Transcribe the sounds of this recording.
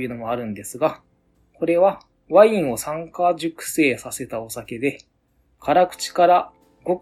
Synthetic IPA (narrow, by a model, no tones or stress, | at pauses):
jɯ̟ːno̞mo̞aɾɯ̟̃nd̪e̞sɨɡa | ko̞ɾe̞βa | βaĩɰ̃o̞sãŋkaʑɨkɯ̟̥se̞ːsase̞t̪ao̞sake̞d̪e̞ | kʰaɾakɯ̟̥t͡ɕi̥kaɾa | ɡ̥o̞